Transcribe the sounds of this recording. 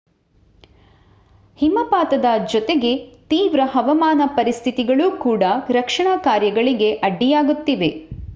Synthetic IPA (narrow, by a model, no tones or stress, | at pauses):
himɐpaːt̪ɐd̪ɐd͡ʒɔt̪eɡe̞t̪iːʋɾɐɦɐʋɐmaːnɐpɐɾist̪ʰit̪iɡɐɭuːkuːɽɐɾɐkʂɐɳakaːɾjɐɡɐɭiɡe̞ʔɐɖːijaːɡut̪ːiʋe̞